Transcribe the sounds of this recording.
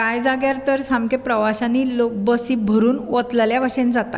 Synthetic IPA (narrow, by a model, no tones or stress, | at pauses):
kajd͡zaɡjaɾt̪əɾsãmkepɾəʋaɕanːiːlok̚bəsiːbʱəɾuːnʋət̪lljaʋəɕend͡zat̪a̰